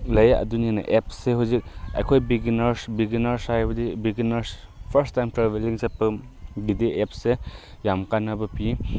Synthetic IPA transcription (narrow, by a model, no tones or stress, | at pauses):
lɐjaʔɐ̰dunena̰ʔep̚seɦuzik̚a̰jkʰojbiɡinaɾsbiɡinaɾsajbɐdibiɡinaɾspʰəɾstːajmtɾaβeliŋsepɯ | bidiep̚se | jamkanabɐpi